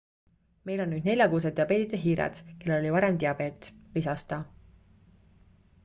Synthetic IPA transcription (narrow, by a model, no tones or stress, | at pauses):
me̞jlo̞nnyːd̪ne̞lʲjɑkuːs̬ed̪ˑeɑbe̞ːt̪id̪̥eɦiːɾḛd̪̥kelːelo̞lʲivɑɾemt̪eɑbe̞ːt̪ːˑlisɑst̪ɑ